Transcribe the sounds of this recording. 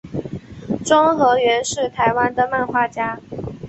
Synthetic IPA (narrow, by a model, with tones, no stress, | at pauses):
ʈ͡ʂʊ˥ŋxɤ˧˥ɥɛ˧˥nʂɻ̩˥˩t̪ʰa˧˥ɪwa˥nd̪ə˨ma˥˧nxwa˥˩t͡ɕja˥